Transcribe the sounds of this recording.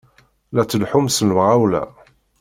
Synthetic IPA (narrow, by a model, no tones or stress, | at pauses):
læt͡sːəlħʊmsənwʁawlæ̰